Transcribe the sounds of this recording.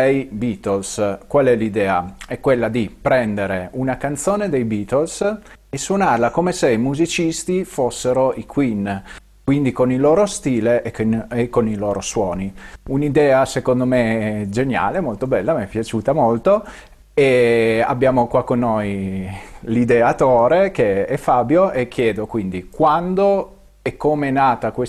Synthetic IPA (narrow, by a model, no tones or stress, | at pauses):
ejbit̪olskwalɛlid̪ɛːaɛkːwelːad̪ipɾɛnd̪eɾeunakant̪soːned̪ejbiːt̪ols | esːwonarlakomeseimuzit͡ʃist̪ifosːeɾoʔikʰwin | kwind̪ikoniloːɾost̪iːleʔekːoniloːɾoswɔːniunid̪ɛːasekond̪omed͡ʒenja̰ːlemolt̪obɛlːamɛpːjat͡ʃuːt̪amolt̪o | ea̰bːjaːmokwakːonːoj | lid̪eat̪oːɾekeɛfaːbjoʔek̟ːjɛːd̪okwind̪ikwand̪o | ɛkːomenaːt̪akwe